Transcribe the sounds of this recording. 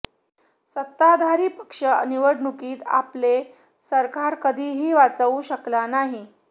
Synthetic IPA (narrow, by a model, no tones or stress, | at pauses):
sət̪ːad̪ʱaɾiːpəkʂəə̰niʋəɽɳukiːt̪a̰ple | səɾkaɾkəd̪ʱiːɦiːʋat͡səʋuɕəklanaɦi